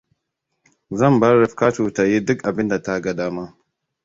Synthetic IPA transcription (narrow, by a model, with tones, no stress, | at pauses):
zɐ˦˨mbɐ˦ɾɪ˨ɸkaː˦tu˨ta˨ji˦dʊ˦kʔa˨bɪ˦nda˨ta˦ɡɐ˨daː˦ma˦